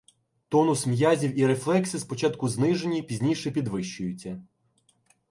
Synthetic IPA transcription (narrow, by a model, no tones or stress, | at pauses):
t̪ɔnʊsmjɑzʲiwiɾeflˠɛksispɔt͡ʃɑt̪kʊznɪʒenʲipʲizʲnʲijʃɛpʲid̪ʋɪʃʊjʊt͡sʲːɐ